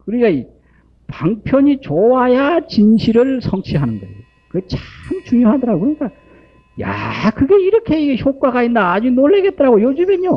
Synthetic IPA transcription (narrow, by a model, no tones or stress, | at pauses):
kɯɾiik͈ai | paŋpʰjʌɲit͡ɕowajat͡ɕinɕʰiɾɯɭsʰʌŋt͡ɕʰiɦanɯnɡʌeokɯɡet͡ɕamt͡ɕuŋjoɦadʌɾaɡokɯɾʌɲik͈a | ja̰kɯɡe̞iɾʌkʰe̞iɡeçʰok͈aɡaindaːd͡ʑunoɭːeɡe̞t̚t͈ʌɾaɡojod͡ʑɯmeɲo